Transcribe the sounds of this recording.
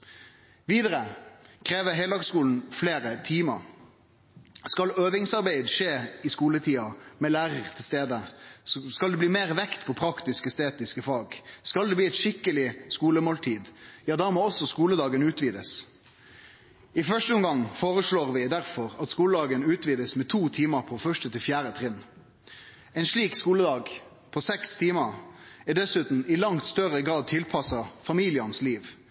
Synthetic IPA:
ʋiːd̪əɾəkʰɾeːʋəɦɛɪloːɡskuːln̩fleːɾət̪ʰiːmə̰ʁ | skɑløːʋɪŋsɑʁbæɪd̪ʂeːɪskuːlət̪ʰiːɑmɛlæːʁəʁt̪ʰɪlst̪eːd̪əsskɑld̪ɛbliːmeːʁʋɛkt̪pʰɔpʰɾɑkt̪ɪskəst̪eːt̪ɪskəfɑːɡskɑld̪ɛbliːɛt̪ʃɪkːəlɪskuːləmoːlt̪ʰiːd̪jɑːd̪æːmoːɔsːɔskuːləd̪ɑːɡənʉːt̪ʋiːd̪əs | ɪfœʂʈəʊmɡɑŋːfoːʁəsɭoːʁʋɪd̪æʁfɔʁɑt̪skuːləd̪ɑːɡənʉːt̪ʋiːd̪əsmɛt̪ʰuːt̪ʰiːməʁpʰɔfœʂtət̪ʰɪlfjæːɾət̪ʰʁɪnː | ɛnʂɭiːkskuːləd̪ɑːɡ | pʰɔsɛkst̪ʰiːməʁɛd̪ɛsʉːt̪n̩ɪlɑŋt̪st̪œʁəɡʁɑːd̪̚t̪ʰɪlpʰɑsɑfɑmiːlɪənsliːʋ

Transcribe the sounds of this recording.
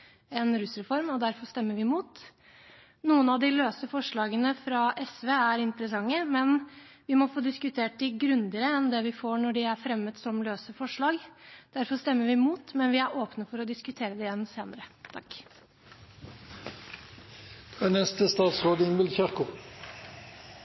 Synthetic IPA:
ɛnɾʉsɾɛfɔɾmɔd̪æɾfɔʂt̪ɛmːəʋɪmuːt̪ | nuːənɑʋd̪ɪløːsəfɔʂɭɑːɡənəfɾɑʔɛsʋeːæɾɪnt̪əɾəsɑŋːəmɛn | ʋɪmɔfoːd̪ɪskʉt̪ʰeːʈ̚d̪ɪɡɾʉnd̪əɾəɛnd̪ɛʋɪfoːɳɔɖɪæɾfɾɛmːət̪sɔmløːsəfɔʂɭɑːɡd̪̥æɾfɔʂt̪ɛmːəɾʋɪmuːt̪mɛnʋɪæɾʔoːpnəfɔɾɔd̪ɪskʉt̪ʰeːɾəd̪ɛjɛnːseːnəɾət̪ʰɑkː | fʁœnɛst̪əst̪ɑːt̪sʁoːd̪əɪnʋɪlçœʁkʊ

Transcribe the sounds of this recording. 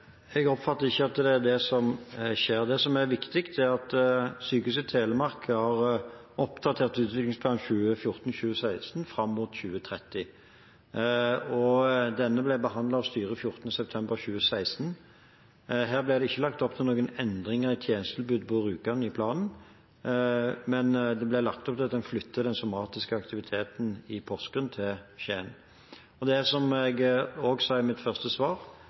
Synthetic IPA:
ɛɡɔpfɑt̪ːəʁɪçːəɑt̪ːd̪ɛd̪ɛsɔmʃeːʁd̪ɛsɔmæʁʋɪkt̪ɪkt̪æʁɑt̪syːkʉsət̪ʰeːləmɑʁkəhɑʁɔpd̪ɑt̪ʰeːʁt̪ʉːt̪ʋɪklɪŋspʰlɑːnçʉːəfjʊʁt̪n̩ɕʉːəsæɪst̪n̩fʁɑmːuːt̪çʉːət̪ʰʁɛt̪ːɪ | ɔd̪ɛnːəblɛbəɦɑnd̪lɑɔst̪yːʁəfjʊʁt̪n̩əsɛp̚t̪ʰɛmbəʁçʉːəsæɪst̪n̩ | ɦæːʁblɛd̪ɛɪçːəlɑkt̪ɔpt̪ʰɪlnoːɡənɛnd̪ʁɪŋəʁɪt̪ʰjeːnəst̪lbʉːd̪pʰɔʁʉːkɑnɪpʰlɑːnn̩ | mɛnd̪ɛblɛlɑkt̪ɔpt̪ʰɛlɑt̪d̪ɛnflʏt̪ʰːəd̪ɛnsʊmɑːt̪ɪskəɑkt̪ɪʋɪt̪ʰeːt̪n̩ɪpʰɔskənt̪ʰɪlɕeːn | ɔd̪ɛæsɔmɛɡoːɡsɑːɪmɪt̪fœʁst̪əsʋɑːʁ

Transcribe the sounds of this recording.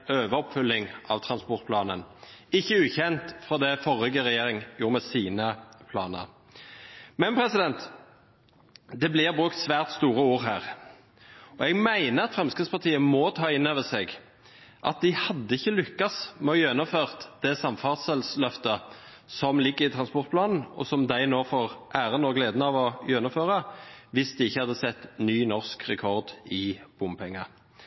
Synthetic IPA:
øːʋəɔpfʉlːɪŋʔɑʋt̪ʰʁɑnspɔʁt̪pʰlɑːnənɪçːəʉːçɛnt̪fʁɑːd̪ɛfɔʁɪɡəʁɛjeːɾɪŋjuːmɛsiːnəpʰlɑ̰ːnə̰ʁ | mɛnpʰɾɛsɪd̪ɛnt̪ | d̪ɛblɪʁbʁʉk̚t̪sʋæːʁt̪st̪uːɾəuːʁɦæːʁ | ɔɛɡmæɪnəɑt̪fʁɛmskəspʰɑʁt̪ʰiːəmɔt̪ʰɑːɪnːøːʋəsɛːɡ | ʔɑ̰t̪̚d̪ɪhɑd̪ːəɪçːəlʏkːɑsmɛɔjœnʊmføːʁt̪d̪̥ɛsɑmfɑʁt̪səlslœft̪ə | sɔmlɪɡːəɾɪt̪ʰʁɑnspɔʁt̪̚plɑːnn̩ɔ̰sɔmd̪æɪnoːfɔʁʔæːɾənɔɡleːd̪nəɑʋɔjœnːʊmføːʁəʋɪsd̪ɪɪçːəhɑd̪ːəsɛt̪ːnyːnɔʁskʁɛkʰɔʁd̪ɪb̥ʊmpʰɛŋːɑ

